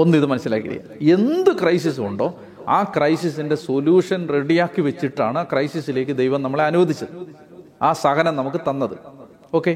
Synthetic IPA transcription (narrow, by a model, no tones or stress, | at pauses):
o̞nːiðɨmɐnɐsːila̰ːkːḭɾḭja̰e̞nd̪ɨkrɐjs̬is̬uɳɖo̞ː | aːkrɐjsis̬inde̞so̞ljuːʂɐnreɽijaːkːiʋet͡ɕːiʈːa̰ːɳɨaːkrɐjsisile̞ːkːɨd̪ejʋɐmnɐmːɐɭeɐnuʋɐd̪ʱit͡ɕːɐðɨ | aːsɐɣɐnɐmnɐmukːɨt̪ɐnːɐðɨ | o̞ːkːe̞